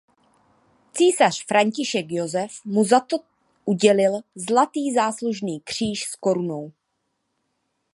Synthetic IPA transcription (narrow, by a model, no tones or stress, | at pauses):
t͡siːsar̝̥fɾaɲcɪʃɛkjo̞zɛfmuzat̪o | ʔuɟɛlɪlzlat̪iːzaːsluʒniːkr̝̥iːʃsko̞ɾunow